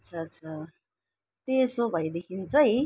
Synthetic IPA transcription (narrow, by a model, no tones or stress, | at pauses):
t͡sʰʌt͡sʰʌ | t̪esobʱʌjd̪ekʰint͡sʌɦi